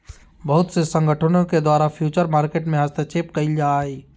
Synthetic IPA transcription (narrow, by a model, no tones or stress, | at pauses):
bəɦʊt̪sesə̃ŋɡʱəʈʰənõked̪waːɾapʰjuːt͡ʃəɾmaːɾkeːʈmẽɦaːst̪et͡ʃeːpkɐid͡ʒaːɦeː